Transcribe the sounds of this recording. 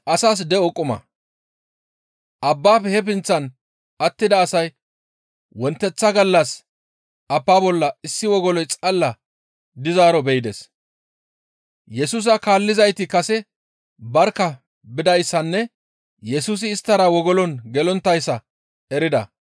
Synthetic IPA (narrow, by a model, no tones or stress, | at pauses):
ʔɐsaːs̬d̪ɛɔkʼːʊmɐ̰ | ʔɐbːaːpɛhɛp̬ɪnt͡sːɐn | ɐt̪ːɪd̪ɐːsɐj | wɔnt̪ːɛt͡sːɐɡɐlːɐs | ʔɐpːaːbɔlːɐɪsːɪwɔɡɔlɔjt͡sʼɐlːɐ | d̪ɪzaːɾɔbɛjd̪ɛs | jɛsuːs̬ɐkaːlːɪzɐjt̪ɪkɐsɛ | bɐɾkːɐ | bɪd̪ɐjsːɐnːɛ | jɛsuːs̬ɪːst̪ːɐɾɐwɔɡɔlɔnɡɛlɔnt̪ːɐjsːɐ | ɛɾɪd̪ɐ̰